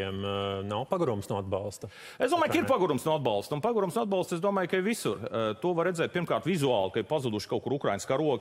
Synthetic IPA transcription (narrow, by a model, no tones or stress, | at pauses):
ɛmnawpaɡuɾumsnuɔad̪balˠst̪ɐ | eszd̪uɔmaːjkaiɾpaɡuɾumsnuɔad̪̚balˠst̪unpaɡuɾumsnɔad̪balˠst̪sesd̪uɔmaːjkaiʋisuɾt̪uɔʋaɾːed̪zɛːt̪̚pʲiɾmkaːɾt̪vizuaːlˠkaɪɾpazud̪uʃkawkuɾukɾajnskaɾuɔk